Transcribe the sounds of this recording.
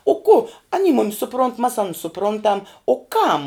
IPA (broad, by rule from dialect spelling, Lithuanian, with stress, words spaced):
oː kʊ ɐˈnʲiː ˈmʊmʲɪs sʊˈproːnt mɐs ˈɑːnʊs sʊˈproːntɐm oː ˈkɐm